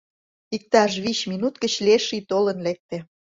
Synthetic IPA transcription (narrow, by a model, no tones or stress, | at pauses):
ik̚t̪ɑʃβiɕminut̪kə̆t͡ɕleʃit̪olənlek̚t̪ĕ